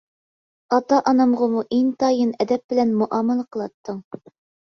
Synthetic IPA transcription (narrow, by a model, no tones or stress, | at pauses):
ɑt̪ɑʔɑnɑmʁɑmuʔeŋt̪ʰɑjɤnɛd̪ɛp̚b̥ɪlɛnmuʔɑməlˠəqʰəlˠɑt̪ʰːəŋ